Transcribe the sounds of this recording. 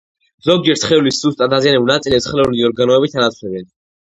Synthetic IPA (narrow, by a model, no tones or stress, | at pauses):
zɔɡ̚d͡ʒɛɾt̪sʰχɛulisːust̪ʼat̪azianɛbulnat̪sʼilɛpsχlɛuliɔɾɡanɔɛbit̪ʰanat̪sʰlɛbɛn